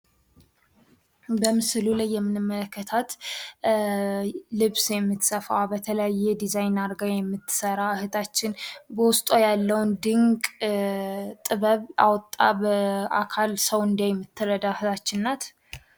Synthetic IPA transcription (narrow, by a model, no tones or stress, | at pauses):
bəmɨslulajːɛmːɨnɨmːələkːət̪ʰat̪ | lɨβsjɛmːɨt̪səfabət̪ʰələjajːɛd̪izajnaɾɡajɛmːɨt̪ʰːɨ̥səɾahɨt̪ʰat͡ʃːɪnbəwʊst̪ʼojalːəwnd̪ɨŋkʼ | t̪ʼɨβəβa̰wɔt̪ʼːabəʔa̰kʰalsəwɨnd̪ajɛmːɨt̪ʰːɨɾəd̪ahɨt̪ʰat͡ʃːɪnːat̪